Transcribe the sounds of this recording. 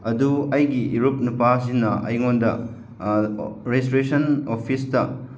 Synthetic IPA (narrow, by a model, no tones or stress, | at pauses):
ɐduɐjɡiʔiɾup̚nupazinːɐɐ̰jŋondɐ | ɾestɾesɐnopʰistɐ